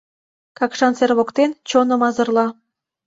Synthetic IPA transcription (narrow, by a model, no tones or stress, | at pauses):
kɑkʃɑnserβokt̪ent͡ɕonə̆mɑzɤ̆rlɑ